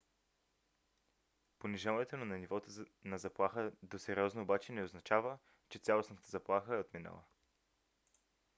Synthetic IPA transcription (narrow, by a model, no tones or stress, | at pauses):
poniʒalˠnɛt̪onʊnɐnivɔt̪onɐzɐplˠaxəd̪osɛɾiɔznoːbat͡ʃɛnɛoznɐt͡ʃavə | t͡ʃɛt̪sʲjalˠosnət̪əzɐplˠaxəɛot̪minə̰lˠə̰